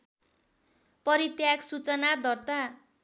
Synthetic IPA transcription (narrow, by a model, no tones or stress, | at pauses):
pʌɾit̪jaksut͡sʌnad̪ʱʌrt̪a